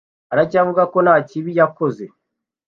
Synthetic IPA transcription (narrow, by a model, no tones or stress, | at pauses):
aɾaɟavuɡako̞nhaːciβijako̞ze̞